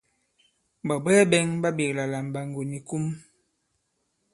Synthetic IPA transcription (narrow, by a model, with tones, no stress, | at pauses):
ba˨bɛ˦bɛ˦ŋba˦bi˨kla˨la˨m˨ba˨ŋ˨ɡo˨ni˨ku˦m